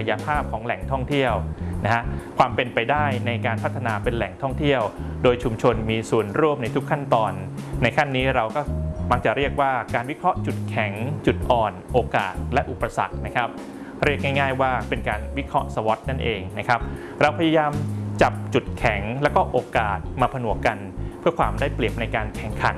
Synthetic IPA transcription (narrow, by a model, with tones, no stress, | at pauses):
kʰa˧ja˧pʰaː˥˩p̚kʰɔː˩˦ŋlɛ˨˩ŋt̪ʰɔ˥˩ŋt̪ʰi˥˩əwna˦˥ha˦˥ʔkʰwaː˧mpe˧npa˧jdaː˥˩jna˧jkaː˧npʰa˦˥t̪ʰːa˧naː˧pe˧nlɛ˨˩ŋt̪ʰɔ˥˩ŋt̪ʰi˥˩əwdoː˧jt͡ɕʰu˧mt͡ɕʰo˧nmiː˧su˨˩ənɾu˥˩əmna˧jt̪ʰu˦˥kʰːa˥˩nt̪ɔː˧nːa˧jkʰa˥˩nːiː˦˥ɾa˧wkɔː˥˩ma˦˥˩k̚t͡ɕa˨˩ɾi˥˩ək̚waː˥˩kaː˧nwi˦˥kʰɾɔ˦˥ʔt͡ɕu˨˩t̪̚kʰɛ˩˦ŋt͡ɕu˨˩t̪̚ʔɔː˨˩nʔoː˧ka̰ː˨˩t̪̚lɛ˦˥ʔu˨˩pːa˧sa̰˨˩k̚na˦˥kʰa˦˥p̚ | ɾi˥˩ək̚ŋa˥˩jŋaː˥˩jwaː˥˩pe˧nkaː˧nwi˦˥kʰɾɔ˦˥sa˧wɔ˦˥t̪̚na˥˩nʔeː˧ŋna˦˥kʰa˦˥p̚ | ɾa˧wpʰa˧jaː˧jaː˧mt͡ɕa˨˩p̚t͡ɕu˨˩t̪̚kʰɛ˨˩˦ŋlɛː˦˥wkɔː˥˩ʔoː˧kaː˨˩t̪̚maː˧pʰa˧nu˨˩˦əka˧npʰɯ˥˩ɐkʰwaː˧mdaː˥˩jpli˨˩əp̚na˧jkaː˧nkʰɛ˨˩˦ŋkʰa˨˩˦n